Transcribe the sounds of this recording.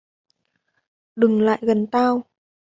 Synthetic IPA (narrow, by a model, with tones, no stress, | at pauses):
ɗɨ˨˩ŋla̰ː˧˨jɣə˨˩nt̪aː˧w